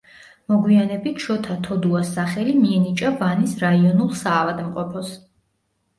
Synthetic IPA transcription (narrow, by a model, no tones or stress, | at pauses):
mɔɡwianɛbit̪ʰʃɔt̪ʰat̪ʰɔd̪uasaχɛlimiɛnit͡ʃʼavanisɾaiɔnulˠsaːvad̪mqʼɔpʰɔs